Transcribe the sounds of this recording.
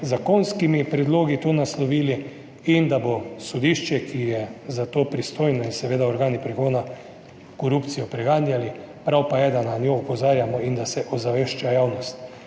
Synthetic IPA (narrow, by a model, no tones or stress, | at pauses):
zakonskimipɾɛd̪loːɡit̪oːnaslɔʋiːli | ind̪abosod̪iʃt͡ʃɛkʰijɛzat̪oːpɾist̪oːjnɔinsɛʋeːd̪aɔɾɡaːnipɾɛɡoːna | koɾupt̪sijɔpɾɛɡaːnjali | pɾawpajɛd̪ananʲjoɔpɔzaːɾjamɔind̪asɛʔɔzaʋeʃt͡ʃajawnɔst̪